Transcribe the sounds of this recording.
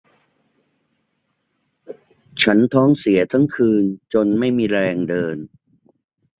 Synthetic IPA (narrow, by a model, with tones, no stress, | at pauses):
t͡ɕʰa˦˥nt̪ʰɔː˦˥ŋsi˩˦ɐt̪ʰa˦˥ŋkʰɯː˧nt͡ɕo˧nma˥˩jmiː˧ɾɛː˧ŋdɤː˧n